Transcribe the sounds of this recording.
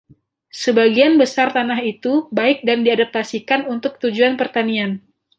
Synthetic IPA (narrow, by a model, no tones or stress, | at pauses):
səbaɡianbəsart̪anaɦit̪ubaɪk̚dandiadap̚t̪asikanunt̪ʊk̚t̪ud͡ʒuanpərt̪anian